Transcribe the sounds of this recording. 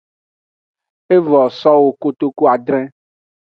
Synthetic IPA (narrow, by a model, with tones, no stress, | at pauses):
e˦vɔ˨sɔ˦wo˦ko˦t̪o˦ku˦a˨ɖɾɛ̃˦